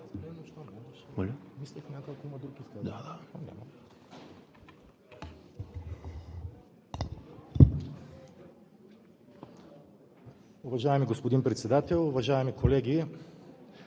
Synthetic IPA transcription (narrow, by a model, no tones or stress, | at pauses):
nɛnoʃt̪ɔmɛmolʲmislɛxnʲakakoimɐd̪ɾukisk̪ad̪aanʲa̰mɐ | ʊvɐʒaɛmiɡospod̪inpɾɛt̪sɛd̪at̪ɛlˠʊvɐʒaɛmikolɛɡʲi